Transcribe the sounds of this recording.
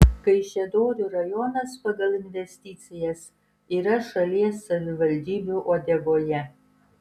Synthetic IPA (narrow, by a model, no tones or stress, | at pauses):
kɐɪʃʲɛd̪oːɾʲuːɾɐjɔnɐspɐɡɐlˠɪnʲʋʲɛsʲt̪ʲɪt̪sʲɪjɛs | iːɾɐʃɐlʲiɛsːɐʋʲɪʋɐlʲd̪ʲiːbʲuːʔoːd̪ʲɛʋoːjɛ